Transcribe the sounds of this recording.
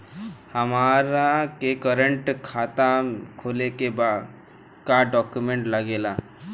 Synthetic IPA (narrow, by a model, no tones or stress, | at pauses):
həmaɾakekəɾəɳʈkʰat̪akʰolekeba | kaɖɔkjumẽɳʈləɡela